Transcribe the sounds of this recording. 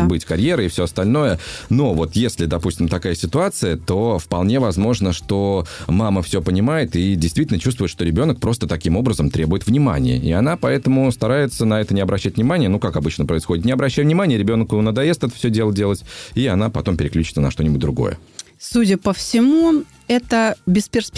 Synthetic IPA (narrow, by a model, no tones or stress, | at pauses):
bɨtʲkɐɾʲje̞ɾəɪfsʲoɐst̪ɐlʲno̞jəno̞vo̞t̪jesʲlʲɪd̪ɐpusʲtʲɪmt̪ɐkajəsʲɪt̪ʊat̪sɨjət̪o̞fpɐlˠnʲe̞vɐzmo̞ʐnəʂt̪o̞maməfsʲopənʲɪmajɪt̪idʲɪjst̪vʲitʲlʲnət͡ɕust̪vʊɪt̪ʂt̪oɾʲɪbʲo̞nək̚pɾo̞st̪ət̪ɐkʲimo̞bɾəzəmt̪ɾʲebʊjɪt̪vnʲɪma̰nʲɪ̰jə̰ɪan̪apɐɛt̪əmʊst̪ɐɾajɪt̪sənɐɛt̪ənʲɪɐbɾʔɐɕːæt̚ʲvnʲɪmanʲɪjənukakɐbɨt͡ɕnəpɾəɪsxodʲɪt̪nʲɪɐbɾɐɕːæjvnʲɪmanʲɪjəɾʲɪbʲo̞nkʊnəd̪ɐjest̪ɛt̪ə̥fsʲɵdʲe̞lˠədʲe̞lˠətʲiɐnapɐt̪o̞mpʲɪɾʲɪklʲut͡ɕɪ̥t̪sənɐ̰ʂt̪o̞nʲɪbʊt̚ʲd̪ɾʊɡo̞̰jə̰ | sudʲəpəfsʲɪmu | ɛt̪əbʲɪspʲɪrspʲ